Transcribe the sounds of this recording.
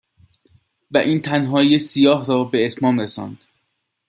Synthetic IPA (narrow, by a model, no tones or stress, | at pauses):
væʔiːnt̪ʰænɦɒːjesijɒːɦɾɒːbe̞ːt̪ʰmɒːmɾesɒ̰ːnd̪̥